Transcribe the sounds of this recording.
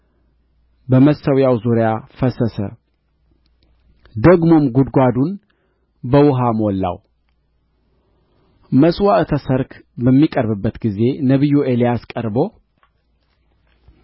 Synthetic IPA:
bəməsəwjawzuɾjafəsəsə̰ | d̪əɡmo̞mɡud̪ɡʷad̪un | bəwʊɦamwɔlːa̰w | məswaʔt̪ʰəsəɾkʰbəmːikʼəɾbɨbːət̪ɡize̞nəβɨjːuʔelijaskʼəɾbo̞

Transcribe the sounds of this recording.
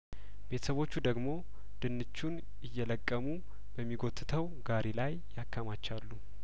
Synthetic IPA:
be̞t̪ʰə̥səβo̞t͡ʃːud̪əɡmo̞ | d̪̥ɨnːɨt͡ʃːun | ɨjːɛləkʼːəmu | bəmːiɡo̞t̪ʼːɨt̪ʰəw | ɡaɾʔelajːakʰːamat͡ʃːalːu

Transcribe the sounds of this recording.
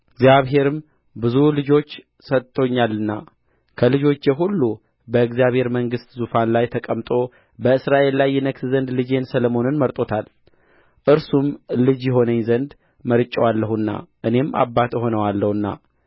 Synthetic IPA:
ɨɡzjaβɦe̞ɾɨm | bɨzulɨd͡ʒo̞t͡ʃː | sət̪ʼt̪ʰːo̞ɲːalːɨnːa̰ | kʰəlɨd͡ʒo̞t͡ʃːjɛɦulːu | bəɨɡzjaβhe̞ɾməŋɡɨst̪zufanlajt̪ʰəkʼəmt̪ʼo̞ | bəɨsɾaʔe̞lːajːɛnəkszənd̪lɨd͡ʒe̞nsələmo̞nɨnməɾt̪ʼo̞t̪ʰal | ʔɨɾsumlɨd͡ʒjɪɦo̞nəɲzənd̪ | məɾɨt͡ʃʼːɛwalːəhɨnːa̰ʔɨne̞mʔa̰bːat̪jɪɦo̞nəwalːəhɨnːa̰

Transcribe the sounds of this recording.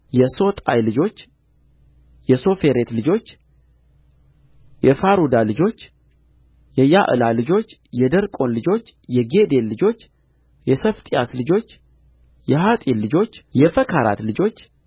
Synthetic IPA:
jɛso̞t̪ʼa̰jlɨd͡ʒo̞t͡ʃː | jɛso̞fe̞ɾe̞t̪lɨd͡ʒo̞t͡ʃː | jɛfaɾud̪alɨd͡ʒo̞t͡ʃː | jɛjaʔɨlalɨd͡ʒo̞t͡ʃː | jɛd̪əɾkʼo̞nlɨd͡ʒo̞t͡ʃːjɛɡe̞d̪e̞lːɨd͡ʒo̞t͡ʃː | jɛsəft̪ʼijaslɨd͡ʒo̞t͡ʃː | jɛɦat̪ʼilːɨd͡ʒo̞t͡ʃːjɛfəkʰaɾa̰t̪lɨd͡ʒo̞t͡ʃː

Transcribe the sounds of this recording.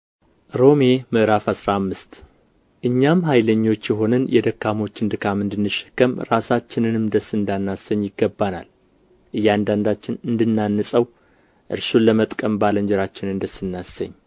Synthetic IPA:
ɾo̞me̞mɨʔɾafasɾamːɨst̪ | ʔɨɲːamɦajləɲːo̞t͡ʃːjɛɦo̞nɨnjɛd̪əkːamo̞t͡ʃːɨnd̪ɨkʰamɨnd̪ɨnːɨʃːə̥kːəmɾasat͡ʃːɪnɨnɨmd̪əsɨnd̪anːasəɲːjɪɡːəbːana̰l | ʔɨjːand̪and̪at͡ʃːɪnɨnd̪ɨnːanːɨsʼəw | ʔɨ̰ɾsuləmət̪ʼkʼəmbaləɲd͡ʒɛɾat͡ʃːɪnɨnd̪əsɨnːasːə̰ɲː

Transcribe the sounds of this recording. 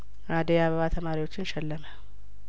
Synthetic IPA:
ɾad̪ijaβəβat̪ʰəmaɾiwo̞t͡ʃːɪnʃɛlːəmə

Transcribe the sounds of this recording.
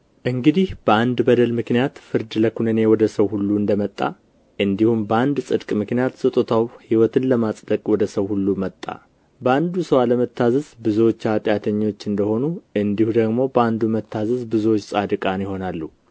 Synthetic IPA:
ʔɨŋɡɨd̪ihb̥əand̪bəd̪əlmɨknijat̪fɨɾd̪ləkʰunɨne̞wɔd̪əsəwhulːuɨnd̪əmət̪ʼːa̰ | ʔɨnd̪ihumbəand̪sʼɨd̪kʼmɨknijat̪sɨt̪ʼot̪ʰawhiwɔt̪ʰɨnləmasʼd̪əkʼwɔd̪əsəwhulːumət̪ʼːa̰ | bəand̪usəwaləmət̪ʰːazɨzbɨzuwot͡ʃːat̪ʼjat̪ʰəɲːo̞t͡ʃːɨnd̪əho̞nuɨnd̪ihud̪əɡmo̞bəand̪umət̪ʰːazɨzbɨzuwot͡ʃːsʼad̪ɨkʼanjɪho̞nalːu

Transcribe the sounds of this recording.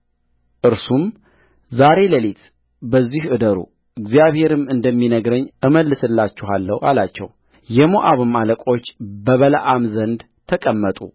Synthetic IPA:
ʔɨɾsum | zaɾe̞ləlit̪ | bəzːihʔɨd̪əɾṵ | ɨɡzijaβhe̞ɾɨmɨnd̪əmːinəɡɾəɲːʔɨməlːɨsɨlːat͡ʃːɛɦalːəwʔa̰lat͡ʃːɛ̰w | jɛmoʔaβɨmaləkʼo̞t͡ʃːbəβəla̰ʔamzənd̪ | t̪ʰəkʼəmːət̪ʼṵ

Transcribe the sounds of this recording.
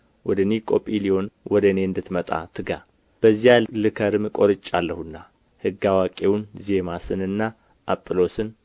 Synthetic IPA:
wɔd̪ənikʼopʼilio̞nwʔɔd̪əne̞ɨnd̪ɨt̪mət̪ʼa̰t̪ʰɨɡa̰ | b̥əzːijalɨkʰəɾɨmkʼo̞ɾɨt͡ʃʼːalːəhunːa | hɨɡːawakʼe̞wunze̞masɨnɨnːa | ʔapʼːɨlo̞sɨn

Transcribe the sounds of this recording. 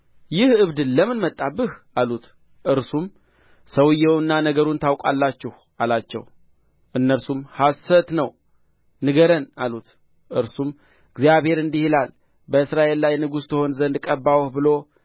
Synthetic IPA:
jɪhɨβd̪ɨnləmɨnmət̪ʼːabɨhʔalut̪ | ʔɨɾsum | səwɨjɛwnːanəɡəɾunt̪ʰawkʷʼalːat͡ʃːɪh | alat͡ʃːɛ̰w | ʔɨnːəɾsumhasət̪nəw | nɨɡəɾənalut̪ | ʔɨɾsum | ɨɡzjaβhe̞ɾɨnd̪ihilal | bəɨsɾaʔe̞lːajnɨɡust̪ʰəho̞nzənd̪kʼəbːawhbɨlo̞

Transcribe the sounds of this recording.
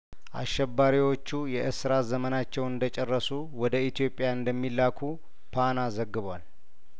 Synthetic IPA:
ʔa̰ʃːɛbːaɾiwo̞t͡ʃːujɛʔɨsɨɾazəmənat͡ʃːɛwɨnd̪ət͡ʃʼɛrːəsu | wɔd̪əit̪ʰijo̞pʼːjaɨnd̪əmːilːakʰu | pʰanazəɡːɨβʷal

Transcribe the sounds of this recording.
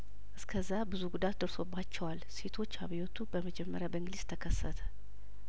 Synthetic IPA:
ʔɨskʰəzːabɨzuɡud̪at̪d̪əɾso̞bːat͡ʃːɛwalse̞t̪ʰo̞t͡ʃːhaβijot̪ʰubəməd͡ʒɛmːəɾjabəɨŋɡɨliz̥t̪ʰəkʰəsːət̪ʰə̥

